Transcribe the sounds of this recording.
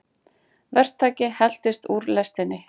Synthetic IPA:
vɛr̥t̪ʰːaːcɪhɛl̥t̪ɪst̪uːɾlɛst̪ɪnːɪ

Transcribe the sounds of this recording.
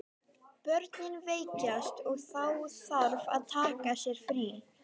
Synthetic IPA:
pœɾt̪nɪnveːjcast̪ɔɣθawθaɾva̰ðt̪ʰaːkasjɛɾ̥fɾi

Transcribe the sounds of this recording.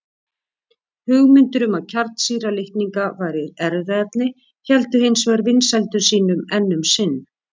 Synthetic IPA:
hʏɣmʏnt̪ʏɾʏmaðcʰaɾt̪siːɾalɪhk̪niŋkavaːjɾɪðɛɾðɛɛt̪nɪ | çɛlt̪ʏhɪnsvɛɾvɪnsɛlt̪ʏɾ̥siːnʏmɛnːʏmsɪnː

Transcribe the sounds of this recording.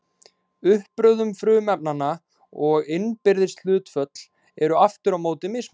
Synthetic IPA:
ʏhpɾœːðʏmfɾʏːmɛp̚nanːa | ɔɣɪnpɪɾðɪsl̥ʏːt̪fœt̪l̥ | ɛɾʏaft̪ʏɾawmoːwt̪ɪmɪs

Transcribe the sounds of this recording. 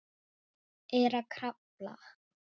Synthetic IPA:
ɛɾakʰɾapla̰

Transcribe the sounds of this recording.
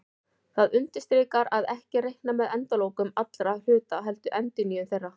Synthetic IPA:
θaðʏnt̪ɪst̪ɾɪːkaɾaðɛhcɪrejhknamɛðɛnt̪aloːwkʏmat̪lɾar̥ʏːt̪aɦɛlt̪ʏʔɛnt̪ɪnijʏθejrːa

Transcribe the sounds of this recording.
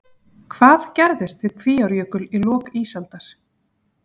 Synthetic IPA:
kʰv̥aːðcɛɾðɪst̪vɪðkʰviːawɾjœːkʏlilɔːkiːsalt̪aɾ̥

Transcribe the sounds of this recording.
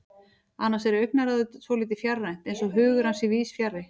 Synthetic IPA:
anːasɛɾœɥk̚naɾaðʏsvɔːliːt̪̬ɪfjarːajn̥t̪ejnsɔɦʏːɣʏɾansiviːsfjarːɪ

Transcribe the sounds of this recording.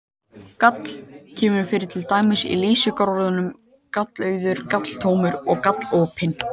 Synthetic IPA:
kat̪l̥cʰɛːmʏɾfɪɾɪɾ̥t̪ʰɪlt̪aːjmɪsḭliːsʏkaɾɾðʏnʏm | kat̪lœːɥðʏɾ̥kat̪l̥t̪ʰoːwmʏɾɔɣkat̪loːpʰɪn

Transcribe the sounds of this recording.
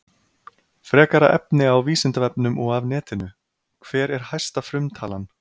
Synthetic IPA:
fɾɛːkaɾa̰ʔɛpnɪawviːsɪnt̪avɛpnʏmɔɣavnɛːt̪ɪnʏ | kʰv̥ɛːɾɛɾ̥haj̥st̪afɾʏmt̪ʰaːlan

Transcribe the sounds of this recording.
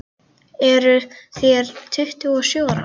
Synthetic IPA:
ɛɾʏθjɛɾ̥t̪ʰʏht̪ʏɔɣsjoːwɾa̰

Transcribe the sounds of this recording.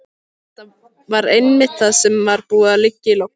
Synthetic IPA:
ɛt̪a | vaɾejnmɪht̪θaðsɛmvaɾpuːðalɪcːɪlowk

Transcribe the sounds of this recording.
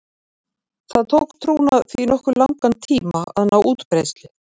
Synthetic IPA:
θaðt̪ʰowkt̪ʰɾuːwnaθiːnɔhkʏɾlawŋkant̪ʰiːmaa̰ðnawʔuːt̪pɾejst̪lɪ

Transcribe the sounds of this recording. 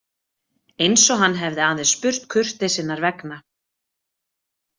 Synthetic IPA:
ejnsɔɦanːɦɛvðɪaːðespʏr̥t̪kʰʏr̥t̪ɪsɪnːaɾvɛkna

